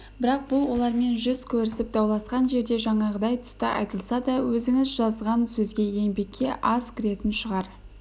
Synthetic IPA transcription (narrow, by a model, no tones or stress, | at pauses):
bɪɾɑq̚bʊlˠwo̞lˠɑɾme̞nʒʏz̥kʲʰɵɾɪsɪp̚d̪̥ɑwlˠɑsqɑnʒe̞ɾd̪e̞ʒɑɴɑʁəd̪ɑjt̪ʰʏ̥st̪əʔɑ̰jt̪əlˠsɑd̪ɑwɵzɪŋɪzʒɑzʁɑnsɵzɡʲe̞je̞mbe̞kʲːe̞ʔɑskʲʰɪɾe̞t̪ɪnʃəʁɑɾ